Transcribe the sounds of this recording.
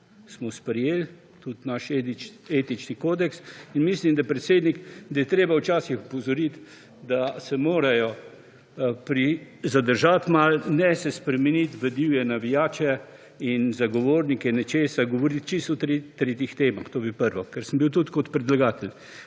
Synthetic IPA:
smɔspɾɛjel | t̪ut̪naʃeeːt̪it͡ʃnikoːd̪ɛksinmislimd̪apɾɛt̪seːd̪nikd̪ajɛt̪ɾeːbawt͡ʃaːsixupɔzɔɾit̪ | d̪asɛmoːɾajɔ | pɾi | zad̪əɾʒat̪malnɛsɛspɾɛmɛnit̪ʋəd̪iwjɛnaʋijaːt͡ʃɛ | inzaɡɔʋoːɾnikɛnɛt͡ʃeːsaɡɔʋɔɾit̪̚t͡ʃist̪ɔt̪ɾet̪ːɾeːt̪ixt̪eːmaxt̪oːbipəɾʋɔkɛɾsəmbiwt̪ut̪kɔt̪pɾɛd̪laɡaːt̪ɛl

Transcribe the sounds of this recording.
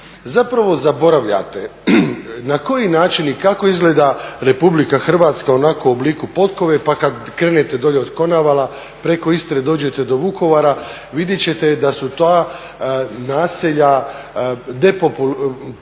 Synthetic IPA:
zapɾaʋo̞zabo̞ɾaʋʎa̰t̪e̞ | nako̞jinaːt͡ʃinikako̞izɡle̞ːd̪aɾe̞publikaxr̩ʋaːt̪skao̞nako̞uobliːkupo̞t̪ko̞ʋe̞pakad̪kɾe̞ːnet̪e̞d̪o̞ʎeo̞d̪ko̞naʋalˠa | pɾe̞ko̞ist̪ɾed̪o̞ːd͡ʑe̞t̪e̞d̪o̞ʋuko̞ʋaːɾa | ʋid̪jet͡ɕe̞t̪e̞d̪asut̪aː | naːseʎa | d̪e̞popul

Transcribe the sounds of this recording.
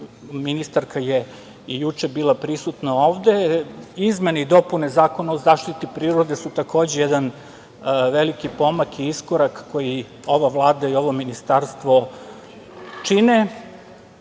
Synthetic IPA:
minist̪aɾkaje | ijut͡ʃe̞biːlˠapɾisut̪nao̞ːʋd̪e̞izme̞neid̪o̞pune̞zaːko̞naozaːʃt̪it̪ipɾiːɾo̞d̪e̞sut̪ako̞ːd͡ʑejed̪an | ʋelikipo̞makiiskoɾakːo̞ji | o̞ʋaʋlˠaːd̪aio̞ʋo̞minist̪aɾst̪ʋo̞ | t͡ʃine

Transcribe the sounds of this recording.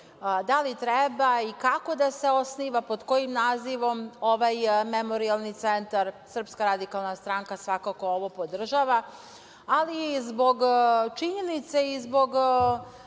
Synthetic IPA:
d̪alit̪ɾɛbaikako̞d̪ase̞o̞sniʋapod̪ko̞jimnaːziʋo̞mo̞ʋajmemo̞ɾialˠnit̪sent̪aɾsr̩pskaɾad̪ikalˠnast̪ɾaŋkasʋakako̞oʋo̞po̞d̪r̩ʒaʋa | alizbo̞ɡt͡ʃiɲenit̪seizbo̞ɡ

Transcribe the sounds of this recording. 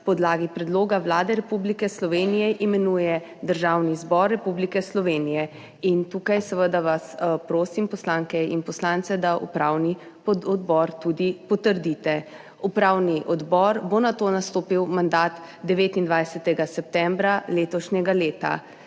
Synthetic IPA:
pɔd̪laːɡipɾɛd̪loːɡawlaːd̪ɛɾɛpublikɛslɔʋeːnijɛʔimɛnuːjɛ | d̪əɾʒawnizbɔɾːɛpublikɛslɔʋeːnijɛ | int̪uːkajsəʋəd̪aʋaspɾoːsimpɔslaːŋkɛḭnpɔslaːnt̪sɛd̪aʔṵpɾawni | pɔɔd̪bɔɾt̪ud̪ipɔt̪əɾd̪it̪ɛ | upɾaːwniʔɔd̪bɔɾbonat̪oːnast̪oːpiwmand̪at̪ | d̪ɛʋeːt̪ind̪ʋajsɛt̪ɛɡasɛp̚t̪ɛmbɾaleːt̪ɔʃɲɛɡaleːt̪a̰

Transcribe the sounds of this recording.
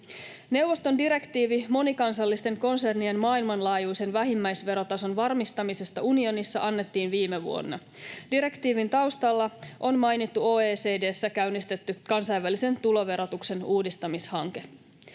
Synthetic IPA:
ne̞wʋost̪o̞ndiɾe̞kt̪iːʋimo̞nikɑnsɑlːist̪e̞ŋko̞nse̞rnie̞nmɑːilmɑnlɑːjujse̞nʋæɦimːæjsʋe̞ɾo̞t̪ɑso̞nʋɑrmist̪ɑmise̞st̪ɑunio̞nisːɑʔɑnːe̞t̪ːiːnʋiːme̞ʋṵo̞̰nːɑ̰ | diɾe̞kt̪iːʋint̪ɑwst̪ɑlːɑʔo̞nmɑjnit̪ːuo̞ːeːse̞ːde̞ːsːækæynːist̪e̞t̪ːykɑnsɑjʋælise̞nt̪ulo̞ʋe̞ɾo̞t̪ukse̞nuːdist̪ɑmishɑŋke̞

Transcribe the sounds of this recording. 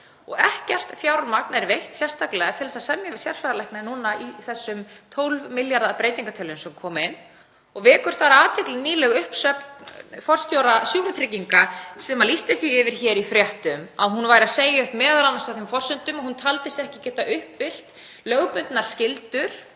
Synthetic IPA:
ɔ̰ɣɛhcɛr̥t̪fjaːwɾmaknɛɾvejht̪sjɛst̪aklɛɣat̪ʰɪlðɛsasɛmjasjɛɾ̥sfɛɾalɛhknanuːnaʔiθɛsːʏmt̪ʰowlvmɪljaɾðapɾeːjt̪iŋkat̪ʰɛlʏmsɛmkʰɔːmɪn | ɔɣvɛːkʏɾ̥θaɾaːt̪ʰɪklɪnnːiːlɛɣʏhpsœpfɔr̥st̪jowɾasjuɣɾʏt̪ʰɾɪciŋkasɛmalist̪ɪθviɪvɪɾ̥çɛːɾifɾjɛht̪ʏmaðɦunvajɾɪaðseːjaʏhpmɛːðalanasaθɪmfɔrsʏnt̪ʏmahunt̪ʰalt̪ɪstɛhcɪcɛːt̪aʔʏhpvɪl̥t̪ | lœːɣpʏnt̪naɾ̥scɪlt̪ʏɾ̥

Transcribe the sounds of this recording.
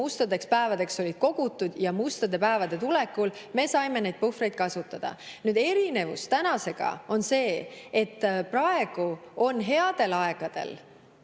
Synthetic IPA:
ust̪ɑd̪e̞kspæevɑd̪e̞kso̞lʲid̪̥ko̞ɡ̥ut̪ːˑud̪̥jɑmust̪ɑd̪e̞pæevɑd̪̥e̞t̪ule̞kːulme̞sɑjme̞ne̞jd̪̥̚pufre̞jd̪̥̚kɑsut̪ːˑɑd̪̥ɑ̰nyːd̪e̞ɾine̞vṵst̪ænɑse̞ɡ̥ɑ̰o̞nse̞ːet̪ːprɑe̞ɡ̥uo̞nːɦe̞ɑd̪̥e̞lɑe̞ɡ̥ɑd̪̥e̞̰l

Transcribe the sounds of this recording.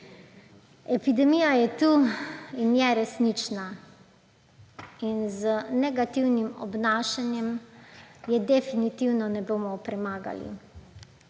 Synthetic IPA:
ɛpid̪ɛmijajɛt̪uinjɛɾɛsnit͡ʃna | inzənɛɡat̪iwnimɔ̰bnaːʃanjɛm | jɛd̪ɛfinit̪iwnɔnɛboːmɔpɾɛmaːɡa̰lḭ

